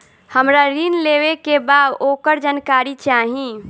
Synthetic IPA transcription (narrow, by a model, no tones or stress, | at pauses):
həmɾaɾinlewekebaːd̪okəɾd͡ʒankaɾit͡ʃaɦĩ